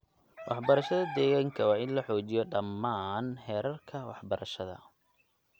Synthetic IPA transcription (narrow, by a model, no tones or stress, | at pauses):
wʔɑ̰ħbɐɾɐʃɐðɐd̪ɛːɣaːŋkʰɐwɑːɪnlɐħɔːt͡ʃɪjɔɖɐmːaːnhɛːɾɐrkʰɐwɑħbɐɾɐʃɐðɐ̰